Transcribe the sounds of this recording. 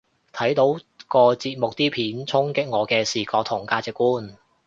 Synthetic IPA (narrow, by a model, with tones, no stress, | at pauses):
t̪ʰɐ˨˥jt̪o˨˥wkɔː˧t͡siː˧t̚mʊ˨k̚t̪iː˥pʰiː˨˥nt͡sʰʊ˥ŋkɪ˥k̚ŋɔː˨˧kɛː˧siː˨kɔː˧kt̪ʰʊ˨˩ŋkaː˧t͡sɪ˨kːuː˥n